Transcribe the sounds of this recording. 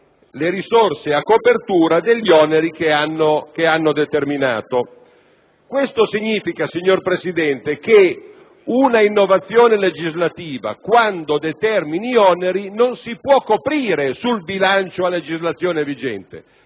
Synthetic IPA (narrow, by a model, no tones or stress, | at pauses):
leɾisorseakːopert̪uːɾad̪eʎːɔneɾikeanːokeanːod̪et̪ermina̰ːt̪o | kwest̪osiɲːiːfikasiɲːorpɾesid̪ɛnt̪eke | unainːovat̪sːjoːneled͡ʒizlat̪iːva̰kwand̪od̪et̪ɛrminiɔneɾinonsipwɔkːopɾiːɾesulbilant͡ʃoaled͡ʒizlat̪sːjoːnevid͡ʒɛ̰nt̪ḛ